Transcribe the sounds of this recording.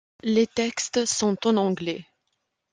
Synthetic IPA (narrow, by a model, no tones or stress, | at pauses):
let̪ɛkst̪sɔ̃t̪ɑ̃nɑ̃ɡlɛ